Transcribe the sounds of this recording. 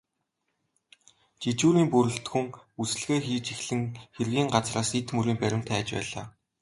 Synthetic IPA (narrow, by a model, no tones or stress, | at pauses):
t͡ɕit͡ɕuːɾiːmpɵɾɵ̆ɬt̪xɵ̆ŋusɘ̆ɮɣeːxiːt͡ɕixɮɘ̆ŋxerɣiːŋɢat͡sraːset̪mɵɾiːmpæɾʲɪ̆m̥t̪ʰæːt͡ɕpæ̰ːɮa̰ː